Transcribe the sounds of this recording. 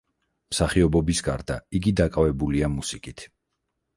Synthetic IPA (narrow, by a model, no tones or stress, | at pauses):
msaχiɔbɔbisɡaɾd̪a̰iɡid̪akʼavɛbuliamusikʼit̪ʰ